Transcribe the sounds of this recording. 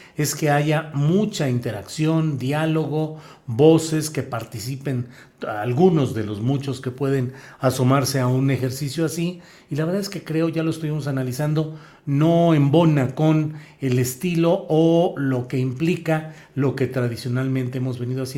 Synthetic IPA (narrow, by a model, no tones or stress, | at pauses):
e̞ske̞aʝamut͡ʃaint̪e̞ɾaksjo̞nd̪jaloɣo̞ | bo̞se̞ske̞paɾt̪isipe̞n | alɣuno̞zðe̞lo̞zmut͡ʃo̞ske̞pwe̞ðe̞nasomaɾse̞aune̞xe̞ɾsisjoasiː | laβɾðaðeske̞kɾe̞o̞ʝaloest̪uβimo̞s̬analisand̪o̞ | no̞embo̞nako̞ne̞lest̪ilo̞olo̞ke̞implika | lo̞ke̞t̪ɾaðisjo̞nalmẽnt̪e̞emo̞zβe̞niðoas